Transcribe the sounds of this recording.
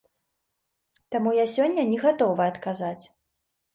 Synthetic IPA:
t̪amujasʲɔnʲːɐnʲɛɣat̪ɔvɨɐt̪kazat͡sʲ

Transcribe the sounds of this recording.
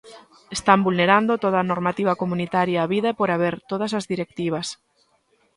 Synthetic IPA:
est̪ambulneɾand̪ot̪oðaːnoɾmat̪iβɐkomunit̪aɾjaːβiðaepoɾaβeɾt̪oð̞ɐsazðiɾek̚t̪iβ̞ɐs

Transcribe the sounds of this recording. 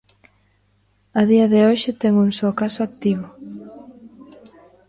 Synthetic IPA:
ɐðiɐðeoʃɪt̪ɛŋuŋsokasʊak̚t̪iβʊ

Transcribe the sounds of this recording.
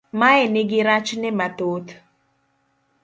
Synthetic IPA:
maɛnɪɡɪɾat͡ʃnɪmat̪ot̪

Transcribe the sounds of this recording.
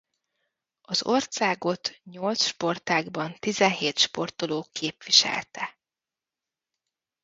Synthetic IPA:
ɒzo̞rsaːɡo̞t̪ɲo̞lt̪sʃpo̞rt̪aːɡbɒnt̪izɛnɦeːt̪ʃpo̞rt̪oloːkʰeːpʋiʃɛ̰lt̪ɛ

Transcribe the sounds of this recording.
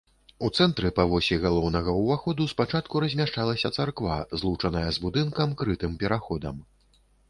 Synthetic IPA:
ut̪sɛnt̪ɾɨpɐvɔsʲiɣalˠɔwnɐɣɐwvaxɔd̪uspat͡ʂat̪̚kuɾɐzʲmʲaʂt͡ʂalˠɐsʲɐt̪sarkva̰zlˠut͡ʂɐnɐjɐzbud̪ɨnkɐmkɾɨt̪ɨmpʲɛɾaxɔd̪ɐ̰m

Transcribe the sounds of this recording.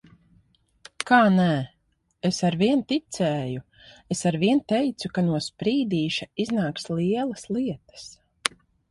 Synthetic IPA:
kaːnæ | esaɾviɛnt̪it̪sɛːju | esaɾviɛnt̪ɛjt̪sukanuɔspɾiːd̪iːʃaiznaːksliɛlˠɐsliɛt̪ə̥s

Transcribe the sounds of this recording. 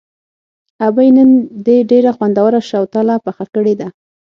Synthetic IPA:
abajnənd̪eɖeɾaxwand̪awaɾaʃawt̪alapaxakəɽed̪a

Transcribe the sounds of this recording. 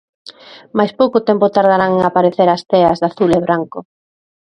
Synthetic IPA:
majspowkot̪ɛmpʊt̪aɾð̞aɾaŋeŋapaɾeθeɾast̪eɐzðaθuleβɾaŋkʊ

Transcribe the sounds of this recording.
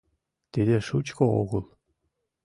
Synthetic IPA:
t̪ʲed̪ʲeʂut͡ɕkoo̰ɣɤlˠ

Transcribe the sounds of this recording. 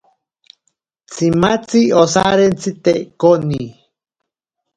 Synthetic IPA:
t͡sʰimat͡siosaɾent͡sit̪eʔkoni

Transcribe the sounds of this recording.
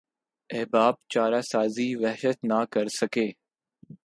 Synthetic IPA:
ɛːbaːb̚t͡ʃaːɾaːsaːziːʋɛɦʃət̪naːkəɾsəkeː

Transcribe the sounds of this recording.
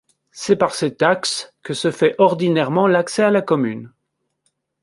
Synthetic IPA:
sɛpaʁset̪akskəsəfɛʔɔʁd̪inɛʁmɑ̃laksɛalakɔmyn

